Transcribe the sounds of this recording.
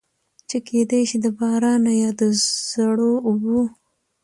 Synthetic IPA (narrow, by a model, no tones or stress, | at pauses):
t͡ʃekʰed̪eʃid̪əbɑɾɑnajɑd̪əz̥aɽoʊbu